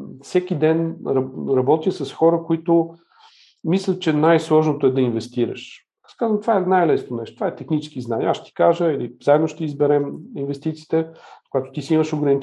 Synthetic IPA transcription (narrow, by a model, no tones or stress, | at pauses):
fsɛkʲid̪ɛnɾɐɾɐbɔt̪isɐsxɔɾəkoit̪ʊ | mislʲət͡ʃɛnajslˠɔʒnot̪oɛd̪ɐinvɛst̪iɾɐ̰ʃ | askazət̪vaɛnajlɛsnonɛʃt̪ot̪ovaɛt̪ɛxnit͡ʃskiznanʲiɛaʃt̪ʲi̥kaʒəiliz̥aɛd̪noʃt̪ɛizbɛɾɛminvɛst̪it̪siːt̪ɛkoɡat̪o̥t̪isiiməʃoɡɾɐni